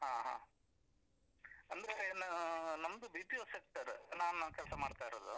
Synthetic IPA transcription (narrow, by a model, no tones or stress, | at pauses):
ɦaːɦa̰ː | ɐnd̪ɐɾenɐnɐmɐd̪ubiːpijoːsek̚ʈɐɾnaːnunɐmkɛlsɐmaːɽt̪aːjɾod̪ṵ